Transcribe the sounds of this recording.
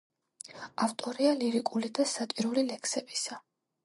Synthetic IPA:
aft̪ʼɔɾialiɾikʼulid̪asat͡ʃʼiɾulilɛksɛbisa

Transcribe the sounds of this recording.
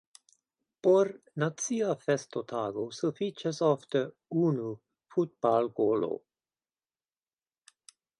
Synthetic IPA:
poɾ | nat͡siafɛst̪ot̪ʰaːɡosufit͡ʃasɔft̪ə | uːnu | fut̚balɡoːlo̰

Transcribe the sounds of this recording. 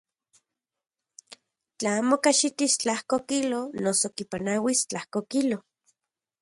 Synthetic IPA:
t͡ɬaaːmokaʃit̪ist͡ɬahkokilonosokipanawist͡ɬahkokilo

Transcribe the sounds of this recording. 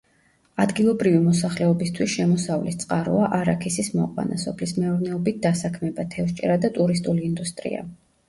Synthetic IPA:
ad̪ɡilˠɔbɾivimɔsaχlɛɔbist̪ʰwisʃɛmɔsavlist̪sʼqʼaɾṵaʔaɾakʰisismɔ̰qʼwa̰nasɔpʰlismɛuɾnɛɔbit̪̚d̪asakʰmɛbat̪ʰɛfʃt͡ʃʼɛɾad̪at̪ʼuɾis̬t̪ʼuliːnd̪ust̪ʼɾḭa̰

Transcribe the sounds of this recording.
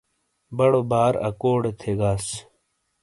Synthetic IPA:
bɐɽobaːɾɐ̰koːɽet̪ʰeːɡaːs

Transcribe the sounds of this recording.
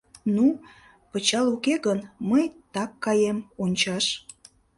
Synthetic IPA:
nu | pət͡ɕɑlukeɣənməjt̪ɑkːɑjemonʲt͡ɕɑʃ

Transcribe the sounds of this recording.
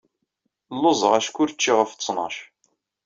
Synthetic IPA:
lːozˤəʁæʃkʷːʊɾt͡ʃːiʁəft͡sːnɑ̰ʃ

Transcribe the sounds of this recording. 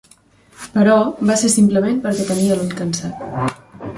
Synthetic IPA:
pəɾɔbasesimpləmenpəɾkɛt̪əniəluʎkənsat̪̚

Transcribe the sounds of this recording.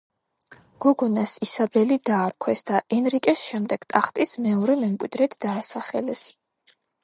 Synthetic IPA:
ɡ̥ɔɡɔnasisabɛlid̪aːɾkʰwɛsd̪̥aʔɛnɾikʼɛsʃɛmd̪ɛɡ̥t̪ʼaχt̪ʼismɛɔɾɛmɛmkʼwid̪ɾɛt̪ʰd̪̥aːsaχɛlɛs

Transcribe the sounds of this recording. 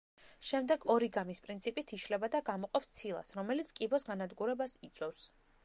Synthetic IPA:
ʃɛmd̪ɛɡɔɾiɡamispʼɾint̪sʰipʼit̪ʰiʃlɛbad̪aɡamɔqʼɔpst̪sʰilˠa̰sɾɔmɛlit̪sʰkʼibɔsɡanad̪ɡuɾɛbasit̪sʼwɛfs

